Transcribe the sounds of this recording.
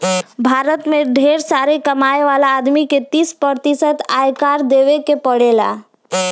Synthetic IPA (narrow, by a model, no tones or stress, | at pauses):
bʱaːɾət̪mẽɖʱeːɾsaɾekəmaeʋalaːd̪miket̪ispəɾt̪isət̪ajkaɾd̪eʋekepəɽela̰